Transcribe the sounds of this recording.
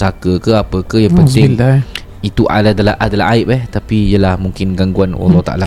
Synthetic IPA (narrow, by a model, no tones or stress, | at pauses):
sakəkəapəkəjaŋpənt̪ɪŋ | it̪uʔa̰dadalaʔadala̰ɦaɪʔ̚ɛht̪apijəlahmuŋkɪnɡaŋɡuana̰lat̪aʔa̰la